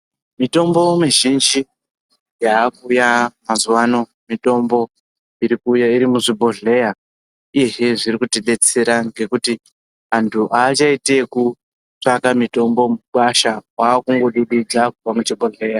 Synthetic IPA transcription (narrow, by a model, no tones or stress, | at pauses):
mito̞mbo̞miʒind͡ʒi | jaːkujamazuwano̞ | mito̞mbo̞ | iɾikuːjaiɾimuʐibʱo̞ɮe̞ja | ije̞ɦeʐiɾikuteɗe̞t͡se̞ɾaŋɡe̞kuti | antʰuʔaːt͡ʃaite̞ku | t͡ʂakamito̞mbo̞muɓaʃawaːkuŋɡo̞ɗuɗid͡zakuvamut͡ʃibʱoɮe̞ja